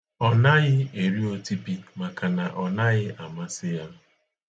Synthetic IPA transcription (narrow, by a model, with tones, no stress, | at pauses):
ɔ˨na˦ɣɪ˦e˨ɾi˦o˦ti˦pi˦ma˨ka˨na˨ʔɔ˨na˦ɣɪ˦ʔa˨ma˦sɪ˦ja˦